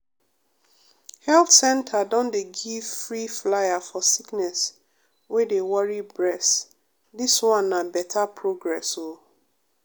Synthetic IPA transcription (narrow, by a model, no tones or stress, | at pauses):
hɛlθsɛ̃ntʰadɔ̃ndeɡivfɹiflajafɔsiknɛs | wedewɔɹibɹɛs | diswɔ̃nːabɛtʰapʰɹoɡɹɛso